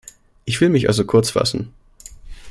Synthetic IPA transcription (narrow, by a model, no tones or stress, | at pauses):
ʔɪçv̥ɪlmɪçʔa̰lzokʰʊɐt͡sfa̰sn̩